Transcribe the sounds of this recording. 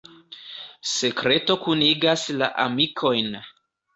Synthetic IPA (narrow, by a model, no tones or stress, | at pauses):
se̞kɾe̞to̞kuniɡasla̰ʔamikʰo̞jn